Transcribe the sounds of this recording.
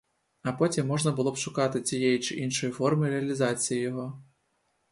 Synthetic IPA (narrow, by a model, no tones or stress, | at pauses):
ɐpɔtʲimːɔʒnɐbʊlˠɔbʃʊkɑt̪ɪt͡sʲijɛjit͡ʃɪʔinʃɔjifɔrmɪɾeɐlʲizɑt͡sʲijijɔɦɔ